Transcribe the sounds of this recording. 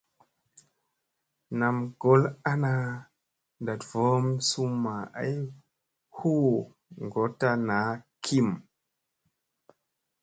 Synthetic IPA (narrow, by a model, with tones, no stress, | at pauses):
na˨mɡ̥o˨˦la˦na˦ | da˨tvo˦msu˦mːa˨a̰˦j | hu˦ | ŋɡo˨˦ta˦na˨˦kʰi˦m